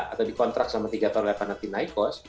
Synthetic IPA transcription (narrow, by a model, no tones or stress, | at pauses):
at̪awdikɔnt̪ɾak̚samat̪iɡat̪ɔrlefanat̪inajkɔs